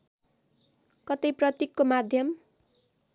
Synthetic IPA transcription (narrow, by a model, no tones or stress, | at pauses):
kʌt̪ʌjprʌt̪ikːomad̪ʱjʌm